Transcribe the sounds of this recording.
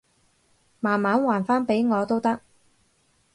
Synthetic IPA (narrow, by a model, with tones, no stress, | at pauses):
maː˨˩nmaː˨˥nwaː˨˩nfaː˥npe˨˥jŋɔː˨˧t̪o˥wt̪ɐ˥k̚